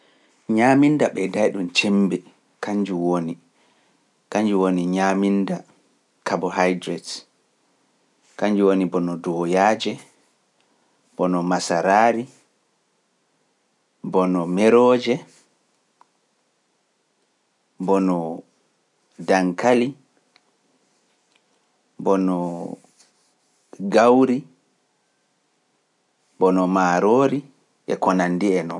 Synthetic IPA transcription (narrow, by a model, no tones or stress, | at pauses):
ɲamindaɓɛdajɗunt͡ʃɛmbɛ | kaɲd͡ʒuwoni | kaɲd͡ʒuwoniɲaminda | kabɔhajdɾɛt | kaɲd͡ʒuwonibɔnɔdɔːjaːd͡ʒɛ | b̥ɔnɔmasaɾaːɾi | bɔnɔmɛɾɔːd͡ʒɛ | bɔnɔ | daŋkali | bɔnɔ | ɡawɾi | bɔnɔmaːɾoːɾi | ʔɛ̰kɔnandiɛnɔ